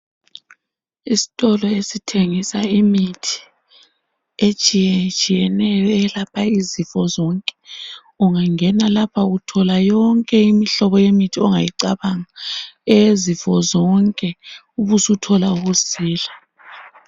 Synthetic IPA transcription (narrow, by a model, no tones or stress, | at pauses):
isi̥tʼɔlɔesitʰeŋisaimitʰi̥ | et͡ʃʼijɛt͡ʃʼijɛnɛjɔɛlapʰaizifɔzɔŋkʼɛ̥ | uŋaŋɛnalapʰaɣutʰɔlajɔŋkʼɛimiɬɔβɔjemitʰiɔŋajiǀaβaŋaɛzifɔzɔŋkʼɛ | uβusutʰɔlauɣusiːla